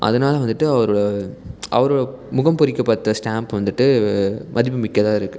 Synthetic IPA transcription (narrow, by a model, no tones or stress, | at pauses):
ʔɐ̰ðɐnaːlɐʋɐnd̪ɯʈːɯɐʋɐɾɯɭɐʔɐ̰ʋɐɾɯɽɐmʊɣɐmpʊɾɪkːɐpːɐɾt̪ːɐsʈaːmpʋɐnd̪ɯʈːɯmʔɐðɪp̬ːɯmɪkːɐðaːɪɾɯkːɯ